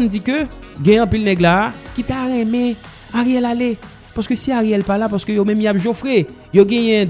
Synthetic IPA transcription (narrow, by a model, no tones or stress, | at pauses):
nd͡zikøɡɛ̃jɛ̃ɐ̃pilnɛɡlakit̪aɣɛ̃mɛ̃ | aɣejɛlale | paskøsiaɣejɛlpalapaskøjomɛ̃mjapʒofɣe | joɡɛ̃jɛ̃